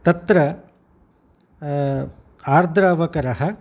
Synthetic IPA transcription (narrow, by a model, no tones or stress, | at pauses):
t̪ɐt̪ɾɐ | aːɾd̪ʱɾaːʋɐkɐɾɐɦɐ̆